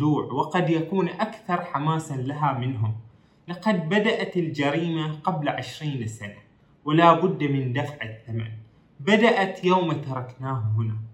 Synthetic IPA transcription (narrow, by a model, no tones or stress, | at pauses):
uːʕwɪqɑd̪jakuːnʔakθɑɾˤħamaːsalaɦamɪnɦʊm | lɪqɑd̪̚bad̪aʔat̪ɪld͡ʒaɾiːmaqablaʕɪʃɾiːnsana | wɪlaːbʊd̪ːmɪnd̪afʕɪθːama̰n | bad̪aʔat̪jawmat̪ɑɾˤɑknaːhhʊna